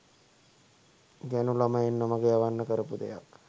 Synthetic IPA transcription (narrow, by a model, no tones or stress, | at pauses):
ɡænulaməenːəməɡejaʋanːəkəɾəpud̪ejak